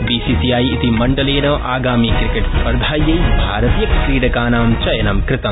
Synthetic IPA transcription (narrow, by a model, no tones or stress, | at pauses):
biːsisijaːjit̪imɐɳɖɐleːnɐʔaːɡaːmikɾikeʈspɐɾd̪ʱaːjːɐjbʱaːɾɐt̪ijɐkkɾiːɽɐkaːnaːmt͡ʃɐjɐnɐmkɾɪt̪ɐm